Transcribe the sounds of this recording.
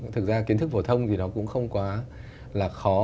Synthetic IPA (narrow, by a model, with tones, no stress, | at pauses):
t̪ʰɨ˨˩k̚zaː˧ki˨˦ət̪ʰɨ˦˥k̚fo˧˩t̪ʰə˧wŋ͡mt̪ʰi˨˩nɔ˨˦kʊ̰˧˥ŋ͡mxə˧wŋ͡mkwaː˨˦ | laː˨˩xɔ˨˦